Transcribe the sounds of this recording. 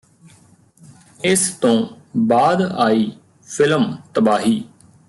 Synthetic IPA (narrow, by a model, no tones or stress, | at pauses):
ɪst̪õː | baːd̪aːiː | pʰɪləmt̪əbaːɦiː